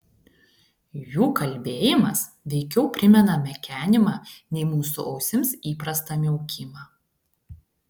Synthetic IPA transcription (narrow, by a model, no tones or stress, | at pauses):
juːkɐlʲbʲeːjɪmɐs | ʋʲɛɪkʲɛʊpʲɾʲɪmʲɛnɐmʲɛkʲæːnʲɪmɑːnʲɛɪmuːsʊ̰ʔɒʊsʲɪmsiːpɾɐst̪ɐmʲɪʊkʲʰɪmɑ